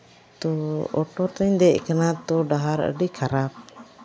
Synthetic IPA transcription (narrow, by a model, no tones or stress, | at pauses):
t̪ɔɔʈɔɾt̪aɲd̪ɛʔkanat̪ɔɖaɦaɾə̰ɖikʰaɾap̚